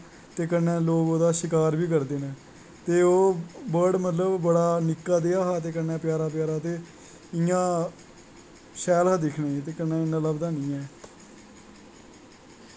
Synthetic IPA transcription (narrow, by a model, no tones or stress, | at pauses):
t̪eːkənːɛːloːkoːd̪aːʃɪkaːɾbiːk̬əɾd̪eːnɛ̃ː | t̪eːoːbəɾɖmət̪ləbːəɽaːnɪkːaːd̪eːaːɦaːt̪̬eːkənːɛ̃ːpɪjaːɾaːp̬jaːɾaːt̪eː | ɪjãː | ʃɛːlãːd̪ɪkʰnaːit̪eːkənːɛ̃ːɪnãːləbd̪aːnĩːɛː